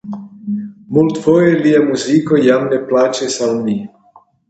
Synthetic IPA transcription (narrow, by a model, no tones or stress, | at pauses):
mult̪fojeliamuzikojamneplat͡ʃesawni